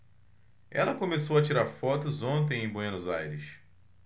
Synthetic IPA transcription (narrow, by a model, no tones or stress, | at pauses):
ɛ̰lɐkomesowɐt͡ʃiɾaɾfɔt̪ʊzõnt̪̬ẽj̃ẽj̃boenʊzajɾɪs